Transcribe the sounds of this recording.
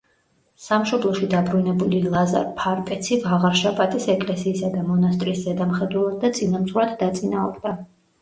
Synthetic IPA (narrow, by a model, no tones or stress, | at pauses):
samʃɔblˠɔʃid̪abɾunɛbulilˠaza̰ɾpʰaɾpʼɛt̪sʰivaʁaɾʃapʼat̪ʼisɛkʼlɛsiːsad̪amɔnast̪ʼɾiːszɛd̪amχɛd̪wɛlˠad̪̚d̪at̪sʼinamsʁwɾat̪ʰd̪at̪sʼinaɔɾd̪a